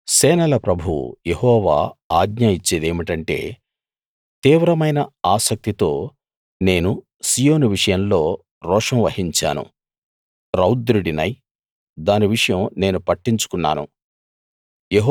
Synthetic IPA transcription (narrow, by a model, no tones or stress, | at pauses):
sɛːnɐlɐpɾɐbʱṵjehɔːʋa̰ːaːɡɲaːjit͡ʃːed̪eːmiʈɐɳʈe̞̰ː | t̪iːʋɾɐmɐjnɐaːsɐk̚t̪it̪o̞ː | ne̞ːnu | sijo̞ːnuʋiʂɐjɐmlo̞ː | ɾɔːʂɐmʋɐhiɲt͡ʃa̰ːnṵ | ɾɐwd̪ɾuɽinɐj | d̪aːniʋiʂɐjɐmne̞ːnupɐʈːiɲt͡ʃu̥kunːa̰ːnṵ | jeɦ